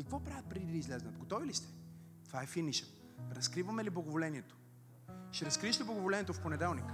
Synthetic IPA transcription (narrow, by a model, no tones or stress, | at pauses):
kɐkvɔpɾavət̪̚pɾɛd̪id̪əizlɛznət̪ɡot̪ɔvilist̪ɛ̥ | t̪ovaɛfiniʃə | ɾɐskɾivɐmɛliblˠɐɡovolɛniɛt̪o̥ | ʃɛɾɐskɾiʃt̪ɛblˠɐɡovolɛniːɛt̪ofponɛd̪ɛlˠnik